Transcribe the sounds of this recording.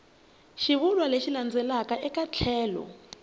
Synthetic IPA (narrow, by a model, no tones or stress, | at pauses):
ʃiβulwaleʃiland͡zʱɛlakʼaʔɛkʼat͡ɬʰɛːlɔ̰